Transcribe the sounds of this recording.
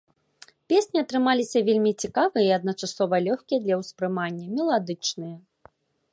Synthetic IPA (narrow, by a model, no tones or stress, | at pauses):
pʲesʲnʲiɐt̪ɾɨmalʲisʲɐvʲelʲmʲit͡sʲikavɨjɐiɐd̪̚nɐt͡ʂasɔvɐlʲɔxkʲijɐd̪lʲɐwspɾɨmanʲːɐmʲɛlˠad̪ɨt͡ʂnɨjɐ